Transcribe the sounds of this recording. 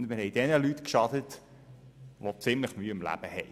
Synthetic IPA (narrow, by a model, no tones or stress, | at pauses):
ndmɪɾhɛɪd̥ɛnəlytkʃɑdət | ʋot͡sɪmləχmyːɪmlæ̰b̥əhɛj